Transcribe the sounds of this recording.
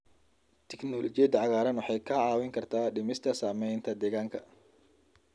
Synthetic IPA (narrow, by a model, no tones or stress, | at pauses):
t̪ʰɛknɔːlɔt͡ʃɪjɛd̪ʕɑɣaːɾɐnwɑħɑjkʰɐʕɑːwɪŋkʰɐrt̪ʰaːɖɪmɪst̪ʰɐsaːmɛjnt̪ʰɐd̪ɛːɣaːŋkʰɐ